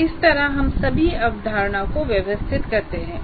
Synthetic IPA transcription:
ɪst̪ɐɾaɦɐmsɐbʱiɐʋd̪ʱaːɾɳ̃akoʋjɐʋəst̪ʰɪt̪kɐɾt̪eɦɛ̃ː

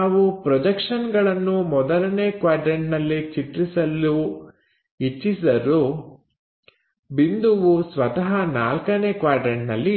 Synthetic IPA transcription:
aːʋupɾɔd͡ʒɐkʂɐnɡɐɭɐnːumɔd̪ɐlɐneːkʋaːɾɖɾeɳʈnɐlːit͡ʃiʈɾisɐlːu | it͡ʃːisɐɾu | bind̪uʋusʋɐt̪ɐɦɐna̰ːlkɐneːkʋaːɾɖɾeɳnɐ̰lːi

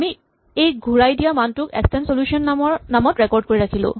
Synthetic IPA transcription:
ami | ejɡʱuɹajdijamantʊkɛ̰kstɛnsoljusiɔnɔnamɔtɹɛkɔɹd̚koɹiɹakʰilʊ̰̃

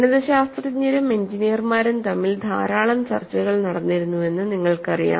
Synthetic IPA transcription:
ɳɐðɐɕaːst̪rɲːɐɾume̞ɲd͡ʑinijɐrmaːɾumt̪ɐmːild̪ʱaːɾaːɭɐmt͡ɕɐ̰rt͡ɕːɐɣɐɭnɐɽɐnːiɾunːue̞nːɨniŋːɐɭkɐrija̰ː

